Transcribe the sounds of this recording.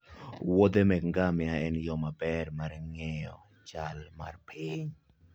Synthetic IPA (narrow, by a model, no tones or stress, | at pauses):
wɔd̪emɛkŋɡamɪaɛnjɔmabɛrmaɾŋɛɔ̰ | t͡ʃalma̰rpʰɪɲ